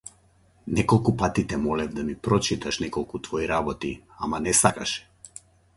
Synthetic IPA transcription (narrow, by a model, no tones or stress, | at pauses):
nɛkɔlˠkupat̪it̪ɛmɔlɛvd̪amipɾɔt͡ʃit̪aʃnɛkɔlˠkut̪vɔiɾabɔt̪ia̰manɛsakaʃɛ̥